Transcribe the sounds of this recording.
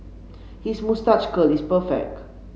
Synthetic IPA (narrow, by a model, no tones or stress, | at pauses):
hismustat͡ʃkəlispəfɛ̰k̚t